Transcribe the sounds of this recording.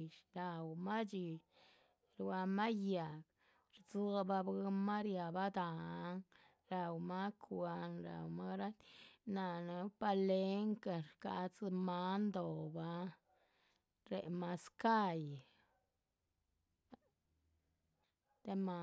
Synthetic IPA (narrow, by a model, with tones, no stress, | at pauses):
ʃɾa˨wma˦d͡ʒi˧ | ɾwa˧ma˦ja˨k | ɾt͡su˦a˧ba˧bɡma˦ɾja˨ba˦d̪a˨˦ŋ | ɾa˨wma˦kʰwa˧nɾa̰˨wma˦ɾa˦t̪na˨na˧pa˧le˦ŋka˨ɾka̰˧t͡sma˦nd̪o˨ba˦ | ɾḛ˨ma˧ska˦j | t̪e˦ma˧